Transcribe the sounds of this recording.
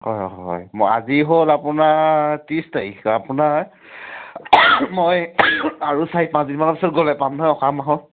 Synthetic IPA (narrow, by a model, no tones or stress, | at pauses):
hɔ̰jɔ̰ɔɦɔ̰jmɔa̰ziɦolapunatistaiapunaɹ | mojaɹusaipãnsdinmanɔpisɔtɡɔlɛpamnɦɔjɔkʰamaɦɔl